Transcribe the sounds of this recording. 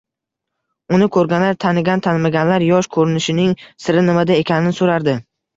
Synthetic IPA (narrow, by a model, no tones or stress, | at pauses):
ʊnɪkʰɵɾɡʲanlaɾt̪ʰanɪɡʲant̪ʰanmaɡʲanlaɾjɒʃkʰɵɾɪnɪʃɪnɪŋsɪɾɪnɪmad̪ae̞kʲʰanɪnɪsoɾaɾd̪ɪ